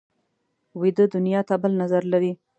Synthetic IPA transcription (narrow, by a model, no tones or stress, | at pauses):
wed̪əd̪ʊnjɑt̪abəlnazaɾlaɾi